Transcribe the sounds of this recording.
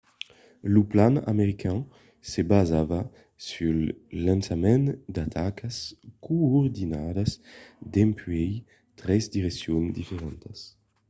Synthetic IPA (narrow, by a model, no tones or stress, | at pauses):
luplana̰meʁikʰã | sebazava | sylːãnsamɛ̃nd̪at̪ʰakaskoɔɾd̪inad̪asd̪empɥɛj | t̪ʁɛzd̪iʁesjond̪ifeʁɛnt̪as